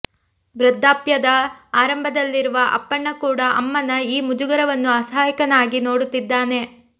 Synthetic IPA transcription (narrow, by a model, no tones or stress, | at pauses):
bɾɐd̪ʱːaːpjɐd̪ɐaːɾɐmbʱɐd̪ɐlːiɾuʋɐʔɐ̰pːɐɳːɐkuːɽɐʔɐmːɐnɐiːmud͡ʒuɡɐɾɐʋɐnːuɐsaːjikɐnaːɡinoːɽut̪ːid̪ːaːne̞